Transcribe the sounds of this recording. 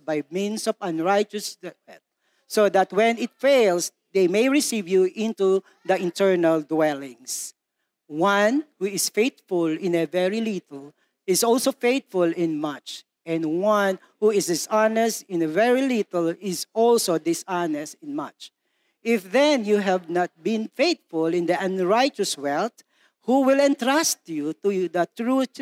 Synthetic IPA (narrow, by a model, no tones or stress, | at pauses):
bajmĩnsɔvɐ̃nɹajt͡ʃəs | ɛt̚ | sod̪at̪wɛ̃nɪt̪̚feɪlˠs | d̪ejmejɹɪsivjuʔɪ̃nt̪u | ðɐɪ̃nt̪ɛɹnald̪wɛlɪ̃ŋs | wʌ̃nhuɪsfeɪt̪fʊlɪ̃nəvɛɹilit̪əl | ɪsɔlsofeɪt̪̚fʊlɪ̃nmʌt͡ʃ | ʔɛ̃nwʌ̃n | huɪsdɪsɑnɛstɪ̃nəvɛɹilit̪əlɪzɔlsod̪ɪsɑnɛstɪ̃nmʌ̰t͡ʃ | ʔɪfðɛ̃njuɦɛvnat̪̚bɪ̃nfeɪt̪fʊlˠɪ̃nd̪iʔə̃nɹaɪt͡ʃəswɛlt̪ | huwɪlɛ̃nt̪ɹast̪jut̪ud̪ət̪ɹu